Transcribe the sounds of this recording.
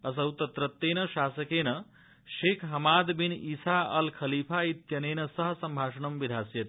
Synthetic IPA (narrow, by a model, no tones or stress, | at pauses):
ɐsɐwt̪ɐt̪ɾɐt̪ːeːnɐʃaːsɐkeːnɐ | ʃeːkʰɦɐmaːd̪binisaɐlkʰɐliːpʰait̪jɐneːnɐsɐɦsɐmbʱaːʂɐɳɐmʋid̪ʱaːsjɐt̪